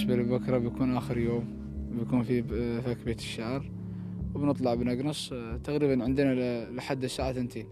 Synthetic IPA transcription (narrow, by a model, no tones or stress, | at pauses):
ʃbalbakɾˤɑbjkuːnʔaːxəɾjoːm | bjkuːnfifakbet̪ʃːaʕɾˤ | wbnɨt̪ˤlɑʕbnaɡnɑsˤt̪aɣɾiːbanʕənd̪nalħad̪ːəsaːʕaθənt̪ʰeːn